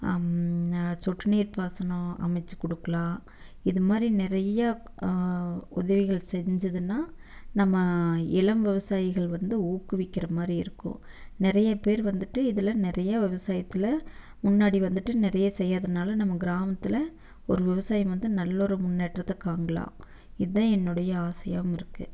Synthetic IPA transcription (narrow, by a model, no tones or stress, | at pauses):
sɔʈːɯneːɾpaːsɐɳõːɐ̰mɐɪt͡ʃːɯ̥kɔɽɯkːɐlãː | ɪðɯmaːd̪ɾinɪɾɐjɐ | ʊðɐʋɪɣɐɭsɛɲd͡ʒɐðɯnːaːnɐmːɐɪɭɐmʋɪʋɐsaːjɪɣɐɭʋɐnd̪ɯuːkːɯʋɪkːɪɾɐmaːd̪ɾiɪɾɯkːʊ̰̃ | nɪɾɐjɐpeːɾʋɐnd̪ɯʈːɯɪðɪlɐnɪɾɐjɐʋɪʋɐsaːjɐt̪ːɪlɐ | mʊnːaːɽiʋɐnd̪ɯʈːɯnɪɾɐjɐsɛjːaːðɐnaːlɐnɐmːɐɡɪɾaːmɐt̪ːɪlɐ | ɔɾɯʋɪʋɐsaːjɐmʋɐnd̪ɯnɐlːɔɾɯmʊnːeːʈrɐt̪ːɐkːaːŋɡɐlã̰ː | ɪðɯðãːɛnːɯɽɐjɐaːsɐjaːʋmɪɾɯkːɯ